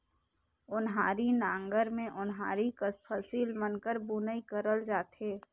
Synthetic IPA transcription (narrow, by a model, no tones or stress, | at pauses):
ʊnɦaːɾinãːŋɡəɾmẽʔʊnɦaːɾikəspʰəsiːlmənkəɾbunəikəɾəld͡ʒaːt̪ɦeː